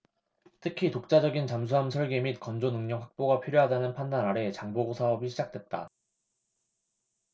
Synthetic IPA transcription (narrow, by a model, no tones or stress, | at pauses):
tʰɯkʰitok̚t͡ɕ͈ad͡ʑʌɡint͡ɕamsʰuɦamsʰʌɭɡe̞mit̚kʌnd͡ʑonɯŋɲʌŋɦak̚p͈oɡapʰiɾjoɦadanɯnpʰandanaɾe̞t͡ɕaŋboɡosʰaɦʌbiɕʰid͡ʑak̚t͈we̞t̚t͈a̰